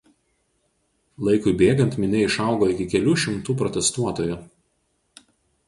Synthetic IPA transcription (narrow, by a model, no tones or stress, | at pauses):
lˠɐɪkʊɪbʲeːɡɐnʲt̪mʲɪnʲɛɪʃɑˑʊɡoːɪkʲɪkʲɛlʲuːʃʲɪmt̪uːpɾɔt̪ʲɛst̪uɔt̪oːjʊ